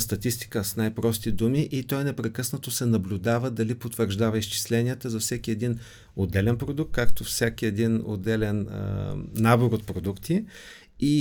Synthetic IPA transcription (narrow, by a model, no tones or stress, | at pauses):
st̪ɐt̪ist̪i̥kəsnajpɾɔst̪id̪umiʔit̪ɔjnɛpɾɛkɤsnət̪osɛnɐblʲʊd̪avəd̪ɐlipot̪vəɾʒd̪avəist͡ʃi̥slɛniət̪əzɐfsɛkiɛd̪in | od̪ɛlɛnpɾod̪uk̚t̪̚kak̚t̪ofsʲɛkiɛd̪ino̰d̪ɛlɛnə̰nːaboɾot̪̚pɾod̪ukt̪i | i